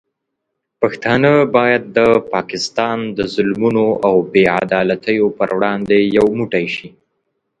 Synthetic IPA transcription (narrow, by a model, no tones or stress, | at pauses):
paxt̪ɑnəbɑjad̪̚ːəpɑkɪst̪ɑnd̪əzʊlmunoʔawbea̰d̪ɑlat̪əjopəɾwɽɑnd̪ejawmuʈajʃi